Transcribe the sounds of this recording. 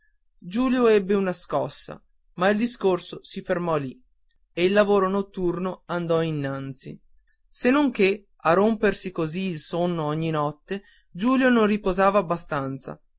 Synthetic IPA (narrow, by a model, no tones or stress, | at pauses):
d͡ʒuːljoɛbːeunaskɔsːa̰ | maild̪iskorsosifermɔli | eilːavoːɾonot̪ːurnoand̪ɔinːant̪sḭ | senːoŋke | arompersikoziːlsonːoɔɲːinɔt̪ːe | d͡ʒuːljononripozaːvaːbːast̪ant̪sa̰